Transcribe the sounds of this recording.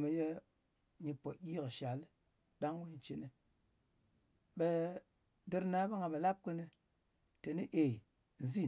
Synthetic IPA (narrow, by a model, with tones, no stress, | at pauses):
me˨je˦ | ɲi˧po˨jʲi˦kʃa˨l | ɗa˦ŋwe˦ɲ˨t͡ʃi˨nɨ˨ | ɓe˧ | dɨ˧ɾna˦ba˦ŋa˨be˨la˦p̚kɨ˧nɨ˧ | te˨ni˦ʔe˨ | n̩˨zi˦˨